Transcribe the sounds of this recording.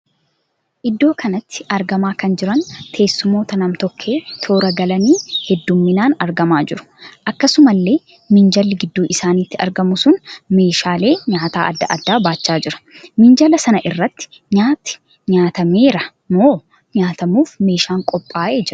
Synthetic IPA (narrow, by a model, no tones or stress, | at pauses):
ʔɪd̪ːo̞ːkʰɐnɐt̪ːɪ̥ʔɐɾɡɐmaːkɐnd͡ʒɪɾɐnt̪ʰe̞ːsːʊmo̞ːt̪ɐnɐmt̪ɔkʰːe̞ːt̪ʰo̞ːɾɐɡɐlɐniːhɛd̪ːumːɪnaːnɐɾɡɐmaːd͡ʒɪɾʊ̥ | ʔɐkːɐsʊmɐlːe̞ː | mɪnd͡ʒɐlːɪɡɪd̪ːuːʔɪsaːniːt̪ːɪɐ̰ɾɡɐmʊsʊnme̞ːʃaːle̞ːɲaːt̪a̰ːʔɐd̪ːɐ̰ʔɐd̪ːaːbaːt͡ʃːaːd͡ʒɪɾɐ̥mɪnd͡ʒɐlɐsɐnɐʔɪrːɐt̪ːɪ̥ | ɲaːt̪ːɪ̥ | ɲaːt̪ɐme̞ːɾɐ | noː | ɲaːt̪ɐmuːfme̞ːʃaːŋkʼɔpʼːaːʔeːd͡ʒɪɾʊ